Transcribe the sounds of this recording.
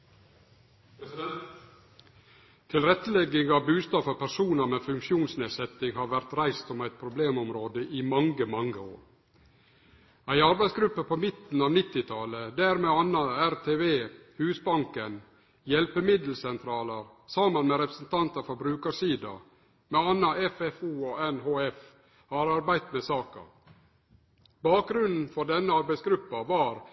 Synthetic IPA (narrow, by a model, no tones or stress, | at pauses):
t̪ʰɪlɾɛt̪ːəlɛɡɪŋɑʋbʉːst̪ɑːfɔɾpʰæɾʂuːnəmefʉŋkʃjuːnsneːsɛt̪ɪŋhɑːɾʋæɾt̪ɾæɪst̪ʊmæɪt̪̚pʰɾʊbleːmɔmɾoːd̪əʔɪmɑŋɡəmɑŋːəo̰ːɾ | æɪɑɾbæɪsɡɾʉpːəpʰomɪt̪n̩ɑːʋnɪt̪ːɪt̪ʰɑləd̪æːɾmeːɑnːɑæɾt̪ʰeːʋeːhʉːsbɑŋkən | jɛlpəmɪd̪l̩sɛnt̪ʰɾɑːləɾ | sɑmːənmeɾɛpɾə̥sn̩t̪ʰɑnt̪ɑfɔbɾʉːkəʂiːd̪ɑ̰ | meɑnːɑɛfɛfuːoɛnɦoːɛf | hɑɾɑɾbæɪt̪mesɑːkɑ̰ | bɑːk̚ɡɾʉnn̩fɔɖɛnːəɑɾbæɪsɡɾʉpːɑʋɑːɾ